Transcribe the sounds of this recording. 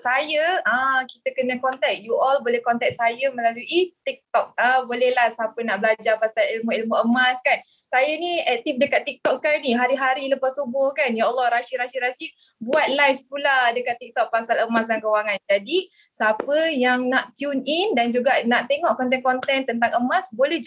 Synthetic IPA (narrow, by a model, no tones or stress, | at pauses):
sajəə̃kit̪əkənə̃kɔnt̪ɛk̚juʔɔlbolɛhkɔnt̪ɛk̚sajəməlaluʔit̪ik̚t̪ɔk̚əbolɛhlahsapənaʔbəlad͡ʒapasalilmuilmuʔəmaskan | sajəniɛk̚t̪ifdəkat̪ːik̚t̪ɔk̚sə̥kaɾiniɦaɾiɦaɾiləpasubʊhkanjaəlˠːɔhɾaʃiɾaʃiɾaʃi | buat̪̚lajfpuladəkat̪ːik̚t̪ɔk̚pasaləmasdaŋkəwaŋand͡ʒadi | sapəjaŋnaʔt̪junindand͡ʒuɡaʔnaʔt̪eŋɔʔkɔnt̪ɛnkɔnt̪ɛnt̪ənt̪aŋəmasbolɛhd͡ʒ